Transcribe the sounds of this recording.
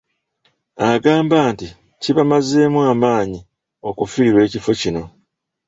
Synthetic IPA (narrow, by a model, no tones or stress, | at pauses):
aɡaːmbaːnti | ciβamaze̞ːmwaːmaːɲi | o̞kufiɾiɾwe̞ːcifo̞cino̞